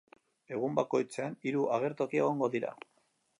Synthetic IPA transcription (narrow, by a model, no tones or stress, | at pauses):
e̞ɣ̞umbako̞jt͡se̞aniɾuʔaɣ̞e̞ɾt̪o̞kie̞ɣ̞o̞ŋɡo̞ðiɾa̰